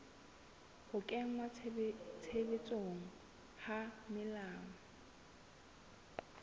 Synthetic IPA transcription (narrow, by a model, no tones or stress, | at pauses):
hʊkʼɛŋ̩matʰebet͡sʼoŋ̩ | hamɪlaːŋɔ